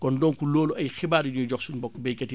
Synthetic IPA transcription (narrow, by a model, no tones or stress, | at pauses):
kɔndɔːŋkuloːluɐjxibaːɾiɲɔd͡ʒɔksunbɔkːbejkɐti